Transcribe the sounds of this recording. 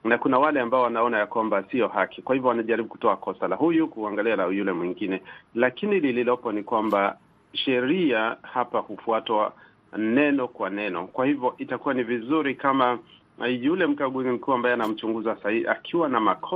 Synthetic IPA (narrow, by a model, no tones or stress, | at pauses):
nakunawalɛambaɔwanaɔnajakwambasiɔhakikwahivjɔwanaʄaɾiɓuku̥tɔakɔsalahujukuaŋɡalianaujulɛmwiŋɡinɛlakinilililɔpɔnikwamba | ʃɛɾiahapahufuatwa | nɛnɔkwanɛnɔ̰kwahivjɔʔitakuwanivizuɾikama | julɛm̩kaɠuzim̩kuambajɛanam̩t͡ʃuŋɡuzasaiʔakʰiwanamakʰɔ